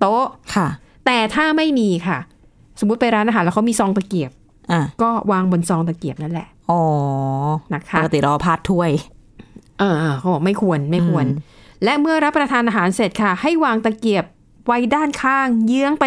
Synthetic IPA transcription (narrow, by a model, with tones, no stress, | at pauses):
t̪o˦˥ʔkʰa˥˩ | t̪ɛː˨˩t̪ʰaː˥˩ma˥˩jmiː˧kʰa˥˩ | so˩˦u˦˥t̪̚pa˧jɾaː˦˥nʔaː˧ɦːlːkʰmiː˧sɔː˧ŋt̪aː˧˩ki˨˩əp̚ | ʔa˧˩kɔː˥˩waː˧ŋbo˧nsɔː˧ŋt̪̬a˨˧˩ki˨˩əp̚na˥˩nlɛ̰˨˩ʔʔɔː˨˩˦ | na˦˥kʰa˦˩˥ka˧t̪i˨ɾɔː˧pʰaː˥˩t̪ʰːu˥˩əj | ʔɤː˧˩ʔːkʰa˦˥˦bɔː˨˩k̚ma˥˩jkʰu˧ənma˥˩jkʰu˧ənlɛ˦˥ʔmɯ˥˩ɐɾa˦˥pːɾa˧t̪ʰaː˧nʔaː˧ɦaː˩˦nse˨˩t̪̚kʰa˥˩ha˥˩jwaː˧ŋt̪a˧˩ki˨˩əp̚ | wa˦˥jdaː˥˩nkʰaː˥˩ŋjɯ˦˥əŋpa˧